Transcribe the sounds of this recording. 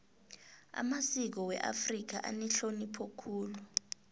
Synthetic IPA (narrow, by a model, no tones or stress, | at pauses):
a̰masik̬ɔwɛ̰ʔa̰frik̬aʔa̰nɛɬonipʰokʰuːlu